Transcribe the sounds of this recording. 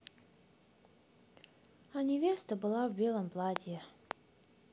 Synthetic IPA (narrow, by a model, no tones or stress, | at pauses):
anʲɪvʲest̪əbɨlˠavbʲelˠəmplˠadʲe